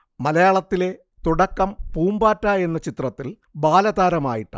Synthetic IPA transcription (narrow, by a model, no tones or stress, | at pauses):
mɐlɐjaːɭɐt̪ːile̞ | t̪uɽɐkːɐmpuːmbaːtːaːje̞nːɐt͡ɕit̪rɐt̪ːil | baːlɐd̪aːɾɐma̰ːjiʈːɐ̰